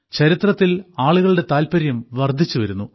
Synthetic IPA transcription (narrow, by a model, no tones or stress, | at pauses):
t͡ɕɐɾit̪rɐt̪ːilaːɭuɣɐɭɨɽe̞t̪aːlpɐɾjɐmʋɐrd̪ʱːit͡ɕːuʋɐɾunːu